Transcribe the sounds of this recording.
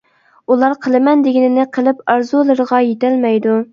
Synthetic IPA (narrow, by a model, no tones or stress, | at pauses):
ulˠɑɾqʰəlˠɨmɛnd̪ɪɡʲɪnɪnɪqʰəlˠɪpɑɾzulˠɨɾʁɑjet̪ɛlmɛjd̪u